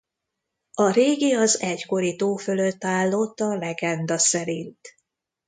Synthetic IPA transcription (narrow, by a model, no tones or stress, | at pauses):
ɒɾeːɡiɒzɛcko̞ɾit̪oːfø̞løt̪ːaːlːo̞t̪ːɒlɛɡɛnd̪ɒsɛɾint̪